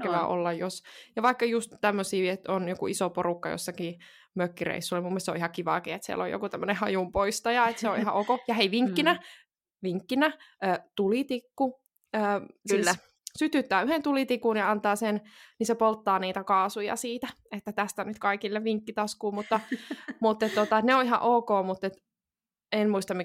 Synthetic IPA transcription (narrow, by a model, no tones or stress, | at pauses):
eʋæʔo̰lːɑjjosjɑʋɑikːɑjust̪t̪æmːøsiːet̪onjokuisoporukːɑjo̰sːɑkiː | møkːirḛisːulːemumːest̪so̰ʔihɑkiʋɑkiːet̪siæ̰lːo̰jo̰kut̪æmːənehɑjumpoist̪ɑjɑet̪seoihɑ̰ʔokojɑheiʋiŋkːinæ | ʋiŋkːinæʔəːt̪ulit̪ikːu | əː | syt̪yt̪ːæːyhent̪ulit̪ikunjɑɑnt̪ɑːsennisepolt̪ːɑːniːt̪ækɑːsujɑ̰siːt̪æ | et̪ːæt̪æst̪ænyt̪kɑikilːeʋʋiŋkːit̪ɑskuːmut̪ːɑmut̪ːet̪t̪ot̪ɑet̪neoiɦɑ̰ʔoːkoːmut̪ːet̪ | enmuist̪ɑmi